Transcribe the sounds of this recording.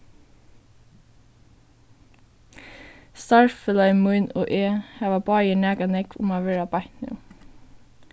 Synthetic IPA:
st̪ɑɹfəlœʏmʊʏno̰ːʔeːhæːʋɑbɑːjəɳæːkɑnɛkʋʊ̰mɑːʋeːɹɑbɑht̪nɪ̰ː

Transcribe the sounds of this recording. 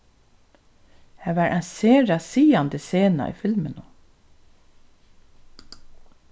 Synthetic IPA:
hæːʋɑɹʔɛnseːɹasiːand̪əseːna̰ʔḭːfɪlmənʊ

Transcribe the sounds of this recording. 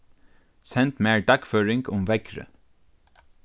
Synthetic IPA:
sɛnt̪meːɹɖɑkføːɹɪŋɡʊmʋɛɡɾə̰

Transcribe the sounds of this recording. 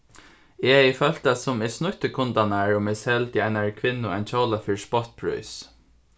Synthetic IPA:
ɛɛjfœlt̪asʊmɛsnʊht̪əkʰʊnt̪anaɹʊmɛshɛlt̪ɪɛnaɹkʰʋɪnːʊɛnt͡ʃʰoːlafɪɹspɔt̪̚bʰɹṵjs

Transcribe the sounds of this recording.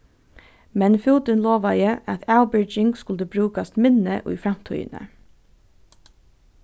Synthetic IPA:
mɛnfuːd̪ənloːʋɑjəʔɑt̪ʰaʊbɪd͡ʒɪŋɡskʊld̪əbɾʉːkast̪mɪnəʔʉ̰ːfɾɑm̥t̪ʰœ̰ʏ̰nə̰

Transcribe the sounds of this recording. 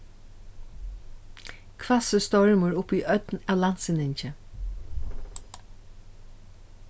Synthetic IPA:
kʰvasəst̪ɔɹməɹʊpiːʔœt̪nawlan̥t̪sɪnɪɲt͡ʃə

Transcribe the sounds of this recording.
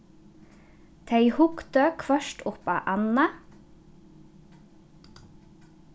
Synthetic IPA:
t̪ʰæɪhʊkt̪əkʰʋœʃʈʊpɑ̰ːʔɑnɑ

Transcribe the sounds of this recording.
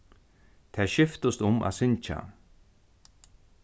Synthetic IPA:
t̪ʰɛːʃɪft̪ʊst̪ʊmʔa̰ðsɪnt͡ʃa̰

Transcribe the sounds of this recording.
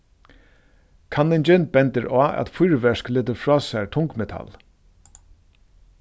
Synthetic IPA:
kʰanːɪnd͡ʒɛn̚bɛnt̪əɾaːʔæ̰t̪fʊjɾʋɛʂklɪːt̪əɾfɹɔːsæɹt̪ʰʊŋkmɛt̪ʰa̰l

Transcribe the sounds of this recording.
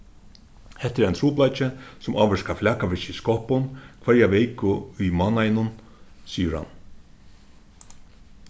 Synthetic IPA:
hɛht̪ɪɾɛjnt̪ʰɾuːplajt͡ʃɪsʊmaːʋəʂkaflaːkaʋɪʃɪiskɔhpʊnkʰvɛɾjaʋɛjkʊijmanajnʊn | siːəɾha̰n

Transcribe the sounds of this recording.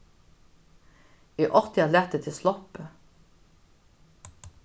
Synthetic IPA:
iːʔɔʁt̪ɪɑlɛt̪ət̪ʰɪslɔpə

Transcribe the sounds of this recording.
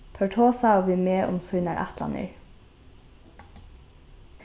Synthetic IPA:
pʰœʈʰoːsɑoːʋiːmeːʔʊ̰msʊnɑɹʔæ̰t̪lɑ̰nə̰ɹ

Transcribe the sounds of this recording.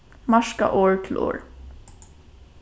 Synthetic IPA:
mɑʃka̰ʔoːɹt̪ʰɪl̩ʔo̰ːɹ

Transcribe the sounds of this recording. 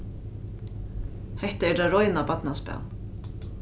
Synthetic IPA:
hɛht̪aɛɾt̪aɾɔjnapat̪naspɛ̰l

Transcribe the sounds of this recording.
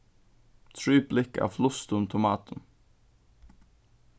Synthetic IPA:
t̪ʰɹʉːblɪkɑ̰ːflʊst̪ʊmt̪ʰʊmɑːt̪ʰən

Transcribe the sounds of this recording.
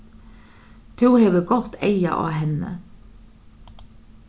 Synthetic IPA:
t̪ʰʉːhɛʋəɡɔt̪eɪa̰ʔɑ̰ːɦɛnə̰

